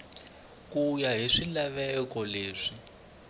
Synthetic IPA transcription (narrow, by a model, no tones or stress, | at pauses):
kujaɦiʂilaβɛkɔleːʂi